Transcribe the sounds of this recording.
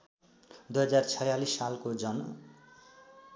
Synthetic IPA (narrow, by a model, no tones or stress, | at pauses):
d̪ujɦʌd͡zart͡sʰʌjalisːalkod͡zʌn